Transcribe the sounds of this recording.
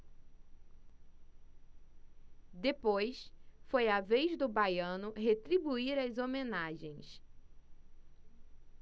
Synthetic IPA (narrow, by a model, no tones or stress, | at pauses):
d̪epojsfojavejzd̪ʊbajɐ̃nʊɦet̪ɾibuiɾɐzomẽnaʒẽj̃s